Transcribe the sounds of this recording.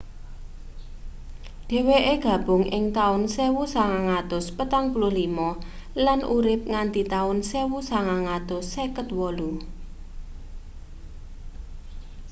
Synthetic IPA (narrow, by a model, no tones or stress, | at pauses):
ɖ̥e̤weʔeɡ̥ä̤b̥ʊ̤ŋɪ̰ŋt̪aʊnsewusaŋaŋat̪ʊspət̪aŋpululimɔ | lanʔuɾɪp̚ŋand̪it̪aʊnsewusaŋaŋat̪ʊsːekət̪wɔlu